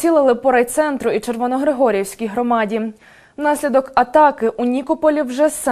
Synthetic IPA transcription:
ilˠɪlˠɪpɔɾɐjt̪sɛnt̪ɾʊit͡ʃerʋɔnɔɦɾɪɦɔɾʲijewsʲkʲijɦɾɔmɑdʲi | wnɑsʲlʲid̪ɔkɐt̪ɑkɪʔunʲikɔpɔlʲiwʒɛs

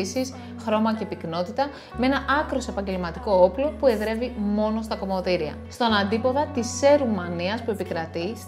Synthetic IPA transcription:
isis | xɾo̞mɐce̞pikno̞t̪it̪ɐ | mee̞nɐʔɐkɾo̞soe̞pɐɲɟe̞lmɐt̪iko̞oplo̞pue̞ðɾe̞vimo̞no̞st̪ɐko̞mo̞ðiɾiɐ̰st̪o̞nɐnd̪ipo̞ðɐt̪ise̞ɾumɐniɐspue̞pikɾɐt̪is

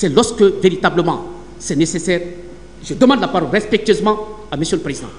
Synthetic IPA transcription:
sɛlɔskəveɾit̪abləmɑ̃ | sɛnesesɛːʁ | ʒəd̪əmɑ̃d̪lapaɾɔlɾɛspɛk̚t̪yøzmɑ̃ | aməsjələpɾezid̪ɑ̃

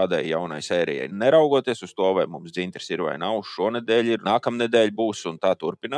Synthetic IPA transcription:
aːd̪ajːawna̰jsɛːɾɛ̰jɛ̰jnɛɾawɡuɔt̪iɛsust̪uɔvajmumsd̪zint̪ɾsiɾʋa̰jnawʃʃuɔnɛd̪ɛːlʲiɾnaːkamnɛd̪ɛːlʲbuːsunt̪aːt̪uɾpinaː

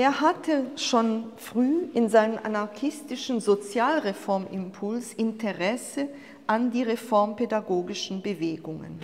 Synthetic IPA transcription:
ʔeːɐhatʰəʃoːnfʁ̥yːʔɪnzaɪnənʔa̰naɐçɪstɪʃn̩zot͡sjaːlʁefɔɐmʔɪmpʰʊlsʔɪntʰəʁɛsə | ʔandiːʁefɔɐmpedaɡoːɡɪʃn̩bəveːɡʊŋə̰n

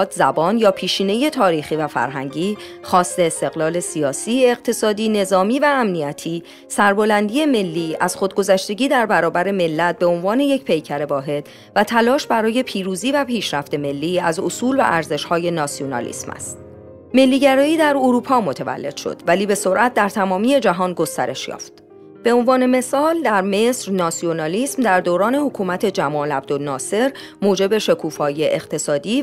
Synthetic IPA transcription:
d̪zæbɒːnjɒːpʰiːʃiːne̞je̞t̪ʰɒːɾiːχiːvæfæ̰ɾɦæ̰ŋɟiːχɒːst̪e̞ːst̪e̞ɣlɒːle̞siɒːsiːe̞q̚t̪ʰe̞sɒːd̪iːne̞zɒːmiːvæːmniæt̪ʰiː | sæɾbo̞lænd̪iːe̞me̞lːiːæz̥χod̪̚ɡo̞zæʃt̪e̞ɟiːd̪æɾbæɾɒːbæɾe̞me̞lːæt̪̚be̞o̞nvɒːne̞je̞cpʰe̞jcʰæɾe̞vɒːɦe̞d̪̥ | væt̪ʰælɒːʃbæɾɒːje̞pʰiːɾuːziːvæpʰiːʃɾæft̪e̞me̞lːiːæzosuːlvæ̰ʔæɾze̞ʃhɒːje̞nɒːsionɒ̰ːlḭsmʔæ̰st̪̚ | me̞lːiːɟæɾɒːiːd̪æɾoɾuːpʰɒːmo̞t̪ʰevæ̰lːe̞d̪̥ʃo̰d̪̥væliːbe̞so̞ɾʔæt̪̚d̪æɾt̪ʰæmɒːmiːe̞d͡ʒæɦɒːnɡo̞st̪æ̰ɾe̞ʃjɒ̰ːft̪̚ | b̥e̞o̞nvɒːne̞me̞sɒːld̪æɾme̞sɾnɒːsionɒːliːsmd̪æɾd̪oːɾɒːne̞hokʰuːmæt̪ʰe̞d͡ʒæmɒːlæb̚d̪olnɒːse̞ɾ | moːd͡ʒe̞be̞ʃe̞kʰuːfɒːje̞ʔext̪ʰe̞sɒːd̪iː

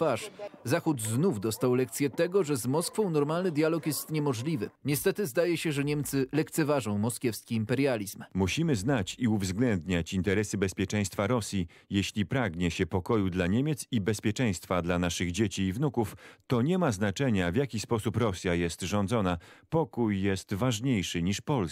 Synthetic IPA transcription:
paʂzaxud̪znuvd̪ɔst̪awlɛk̚t̪sʲjɛt̪ɛɡɔʐɛzmɔskfɔ̃w̃nɔɾmalnɘd̪ʲjalɔkjɛst̪ɲɛmɔʐlʲivɘ̰ɲɛst̪ɛt̪ɘzd̪ajɛɕɛʐɛɲɛmt̪sɘlɛkt̪sɛvaʐɔ̃w̃mɔskʲjɛfskʲiːmpɛɾjalʲizmmuɕimɘznat͡ɕiuvzɡlɛnd̪ɲat͡ɕint̪ɛɾɛsɘbɛspʲjɛt͡ʂɛ̃j̃st̪faɾɔsʲji | jeɕlʲipɾaɡɲɛɕɛpɔkɔjud̪laɲemʲet̪sibɛspʲjɛt͡ʂɛj̃st̪fad̪lanaʂɘɣd͡ʑet͡ɕiːvnukuft̪ɔɲɛmaznat͡ʂɛɲavʲjakʲispɔsupɾɔsʲjajɛst̪ʐɔnd̪zɔnapɔkujːɛst̪vaʐɲejʂɘɲiʂpɔls

